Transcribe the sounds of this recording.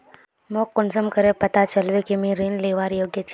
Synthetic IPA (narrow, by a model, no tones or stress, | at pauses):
moːkːʊnsəmkəɾepɐt̪at͡ʃəlʋekimẽɾeːnleːʋaːɾjoːɡjət͡ʃʰ